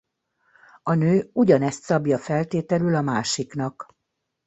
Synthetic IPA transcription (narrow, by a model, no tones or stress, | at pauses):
ɒnøːuɟɒnɛst̪sɒbjɒfɛlt̪eːt̪ɛlylɒmaːʃiknɒk